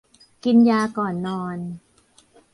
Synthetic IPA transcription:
ki˧njaː˧kɔː˨˩nːɔː˧n

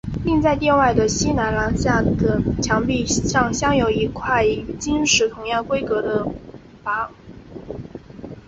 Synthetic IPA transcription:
li˥˧ŋt͡sa˥˧ɪt̪jɛ˥˧nwa˥˩ɪd̪ə˩ɕi˥na˧˥nla˧˥nɕja˥˩d̪ə˩t͡ɕʰjɑ˧˥ŋpi˥˧ʂɑ˥˩ŋɕjɑ˥ŋjo˧˥ʊi˧˥kʰwa˥˩ɪt͡ɕi˥nʂɻ̩˧˥t̪ʰʊ˧˥ŋjɑ˥˩ŋkwe˥ɪkɤ˧˥d̪ə˧ | pa˥

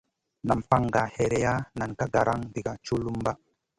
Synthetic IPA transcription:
na˨mpa˦ŋɡa˨he˨ɾe˨ja˦na˨nka˦ɡa˨ɾa˦ŋdi˨ɡa˨t͡ʃu˦lu˦mba˦

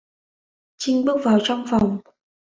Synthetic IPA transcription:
t͡ɕi˧ŋɓɨ˦˥ək̚vaː˨˩wt͡ɕɔ˧wŋ͡mfa˨˩wŋ͡m

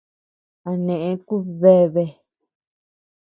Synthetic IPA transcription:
a˨nẽ˨ʔẽ˧ku˦βe˦βe˧

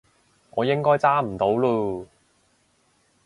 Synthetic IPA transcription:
ŋɔː˨˧jɪ˥ŋkɔː˥jt͡saː˥m̩˨˩t̪o˨˥wluː˧

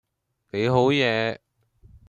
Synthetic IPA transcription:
ke˨˧jɦo˨˥wjɛː˨˧˥

